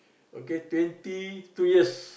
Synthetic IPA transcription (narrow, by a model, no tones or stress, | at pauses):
oket̪went̪it̪ujəs